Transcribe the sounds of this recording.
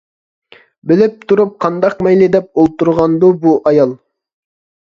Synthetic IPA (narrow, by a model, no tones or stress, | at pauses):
bɪlɪp̚t̪ʰuɾup̚qʰɑnd̪ɑqmɛjlɪd̪ɛp̚olˠt̪uɾʁɑnd̪ubuʔɑjɑlˠ